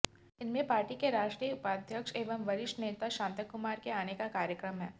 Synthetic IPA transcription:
ɪnmẽpaːɾʈikeɾaːʃʈɾijəʊpaːd̪ʱjəkʃeːʋəmʋɐɾɪʃʈneːt̪aʃãːnt̪əkːʊmaːɾkeaːnekakaːɾjəkɾəmɦɛː

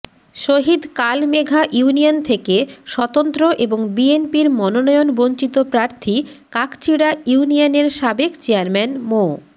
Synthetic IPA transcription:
ʃoɦid̪kalmeɡʱaʔuuniont̪ʰekeʃɔt̪ont̪ɾoʔeboŋbienpiɾmɔnonɔjonbont͡ɕit̪opɾaɾt̪ʰikakt͡ɕiɽauunijoneɾʃabekt͡ɕeaɾmɛnmo

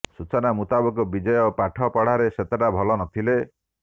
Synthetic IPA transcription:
sut͡ʃɔnamut̪abɔkɔbid͡ʒɔjɔpaʈʰɔpɔɽ̤aɾeset̪aʈabʱɔlɔnɔt̪ʰile

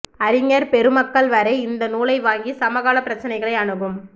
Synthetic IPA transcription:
ɐɾɪŋɐɾpɛɾɯmɐkːɐɭʋɐɾɐɪɪnd̪ɐnuːlɐɪʋaːŋɡisɐmɐɣaːlɐpːɪɾɐt͡ʃːɐnɐɪɣɐɭɐɪɐɳɯɣɯm

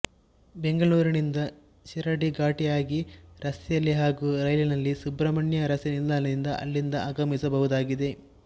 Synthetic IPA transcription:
be̞ŋɡɐɭuːɾinind̪ɐ | ʃiɾɐɖiɡaːʈijaːɡiɾɐsjɐlːiɦaːɡuːɾɐjlinɐlːisubɾɐmɐɳjɐɾɐsinild̪aːnɐd̪ind̪ɐʔɐ̰lːind̪ɐʔaːɡɐmisɐbɐɦud̪aːɡid̪e̞

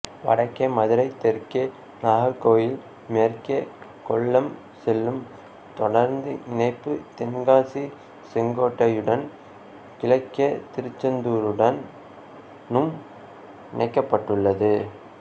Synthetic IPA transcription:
ʋɐ̰ɽɐkːɐmɐðɯɾɐɪt̪ːɛɾkːe | naːɦɐɾkːoːjɪl | mɛɾkekɔɭːɐm | sɛlːɯm | t̪ɔɽɐɾnd̪ɯɪnɐɪpːɯt̪ɛnɡaːsi | sɛŋɡoːʈːɐjɯɽɐn | kɪlɐɪkːɐt̪ɪɾɯt͡ʃːɐnd̪uːɾɯɽɐnː | ɯm | ɪnɐɪkːɐpːɐʈːɯɭːɐðɯ

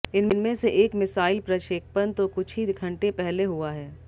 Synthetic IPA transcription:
ɪnnmẽseʔeːkmɪsaːɪlpɾɐʃeːk̚pənt̪okʊt͡ʃʰɦiɡʰʱɐ̃ɳʈepɛɦleɦuaɦɛː

